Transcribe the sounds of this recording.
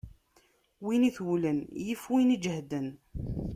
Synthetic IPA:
winiθwlənjəfwinid͡ʒhd̪ən

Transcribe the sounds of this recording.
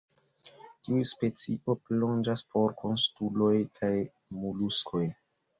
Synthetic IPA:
tiuspe̞t͡siʔo̞plo̞nd͡ʒaspʰo̞ɾkʰo̞nstulo̞jkʰaj | muluskʰo̞j

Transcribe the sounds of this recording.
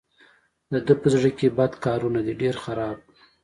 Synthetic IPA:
d̪əd̪əpəzɽəkebad̪kɑɾunad̪iɖeɾxaɾɑb̚

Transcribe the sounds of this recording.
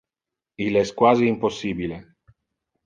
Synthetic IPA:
ilɛskwaziːmposːiːbile

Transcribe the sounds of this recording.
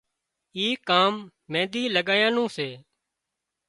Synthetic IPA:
iːkaːmː | ẽːd̪iːləɠaːjãːnũːseː

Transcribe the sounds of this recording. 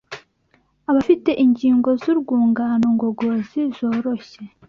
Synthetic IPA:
aβafite̞ʔiɲɟiːŋɡo̞zuɾɡuːŋɡaːnoŋɡo̞ɡo̞zizo̞ːɾo̞ɕe̞

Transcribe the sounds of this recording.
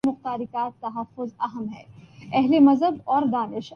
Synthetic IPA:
mʊxt̪aːɾɪkaːt̪ːɐɦɐfːʊzɐɦəmɦɛ̰ːɛɦlemɐzɦəbɔːɾd̪aːnɪʃ

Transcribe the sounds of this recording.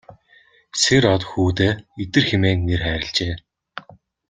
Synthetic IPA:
seɾɔt̪xuːt̪eːet̪ɘ̆rxemeːŋnerχæːɾɪ̆ɬt͡ɕeː

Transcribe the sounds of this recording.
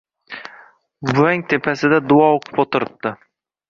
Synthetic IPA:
bʊaŋʲt̪ʰe̞pʰasɪd̪ad̪ʊɒoqʰɨ̥pot̪ʊɾɪp̚t̪ɪ

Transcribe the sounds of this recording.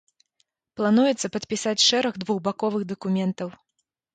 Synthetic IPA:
plˠanujɛt̪sːɐpɐt̪pʲisat͡sʲʂɛɾɐɣd̪vuɣbakɔvɨɣd̪ɐkumʲɛnt̪ɐw

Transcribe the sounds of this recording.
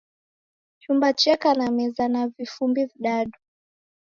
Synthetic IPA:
t͡ʃumbat͡ʃɛkanamɛzanavifumbiviɗaɗu

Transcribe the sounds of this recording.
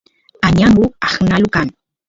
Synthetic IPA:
aɲaŋʊaχnalʊkaŋ

